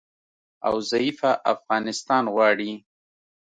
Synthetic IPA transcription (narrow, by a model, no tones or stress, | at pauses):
a̰wzaifaʔafɣɑnɪst̪ɑːnɣwɑːɽi